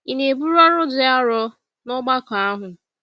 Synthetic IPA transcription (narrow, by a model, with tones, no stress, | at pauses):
i˨ne˨bu˦ɾɔ˦ɾʊ˦dɪ˦a˦ɾɔ˦ | nʊ˦ɡ͡ba˦ka˨a˦ɦʊ˨